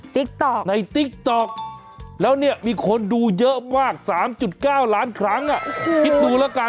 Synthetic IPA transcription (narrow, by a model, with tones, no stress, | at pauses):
t̪i˦˥k̚t̪ɔ˨˩na˧jt̪i˦˥k̚t̪ɔ˨˩k̚ | lɛː˦˥wni˥˩ɐmiː˧kʰo˧nduː˧jɤ˦˥ʔmaː˥˩k̚saː˩˦mt͡ɕu˨˩t̪̚kaː˥˩wlaː˦˥nkʰɾa˦˥ŋʔa˨˩ʔki˦˥t̪̚duː˧lɛː˦˥wkaː˧